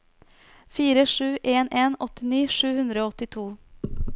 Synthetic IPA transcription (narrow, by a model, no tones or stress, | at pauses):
fiːɾəʂʉːʔeːnʔeːnɔt̪ɪniːʂʉːhʉnd̪ɾəoːɔt̪ɪt̪ʰuː